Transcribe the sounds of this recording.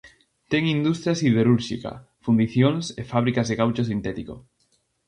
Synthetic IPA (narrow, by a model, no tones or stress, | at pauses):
t̪ɛŋind̪ust̪ɾjasið̞eɾuɾʃḭkɐ̰ | fund̪iθjoŋsefaβ̞ɾikazðeɣawt͡ʃos̬int̪ɛt̪iko̰